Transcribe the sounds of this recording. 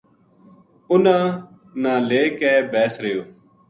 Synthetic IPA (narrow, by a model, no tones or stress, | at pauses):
ʊnãː | nãːleːkɛːbɛːsɾɪjoː